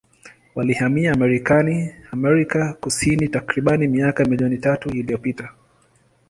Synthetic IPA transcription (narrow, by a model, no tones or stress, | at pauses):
walihamiaːmɛɾikaniamɛɾikakusinitakɾiɓanimiakamiliɔnitatuilijɔpita